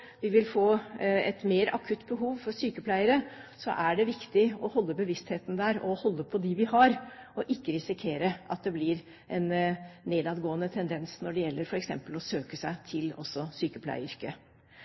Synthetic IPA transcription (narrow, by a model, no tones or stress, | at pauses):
ʋɪʋɪlfoːɛt̪meːɾɑkʰʉt̪ːbəɦuːʋfɔɾsyːkəpʰlæɪəɾəsɔ̰ʔæɖɛʋɪkt̪ɪɔhɔlːəbəʋɪst̪heːt̪n̩d̪æːɾɔhɔlːəpʰɔd̪ɪʋɪhɑɾɔʔɪkːəɾɪsɪkʰeːɾəʔɑt̪̚d̪ɛblɪɾ | ʔɛnːeːd̪ɑːd̪ɡoːənət̪ʰɛnd̪ɛnsnɔɖɛjɛlːəɾfɔɾɛksɛ̰mpəlɔsøːkəsæɪt̪ʰɪlɔ̰sːɔsyːkəpʰlæ̰ɪʏɾkə